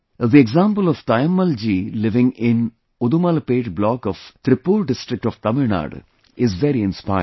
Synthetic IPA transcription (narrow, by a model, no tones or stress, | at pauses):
ðieɡzãːmpəlɔʋt̪ajəmːɐld͡ʒiːlɪʋɪ̃ŋɪ̃n | ud̪umalɐpeːʈblɔːkɔʋt̪ɾɪpːuːlɖɪsʈɾɪk̚ʈɔʋt̪ɐmɪɭna̰ːɖ | ɪzʋeɾiɪ̃nspaɪ